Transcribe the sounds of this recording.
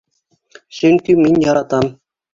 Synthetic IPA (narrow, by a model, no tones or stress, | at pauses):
ɕɘ̆ŋʲt̪ʲymʲinʲjɑɾɑt̪ɑn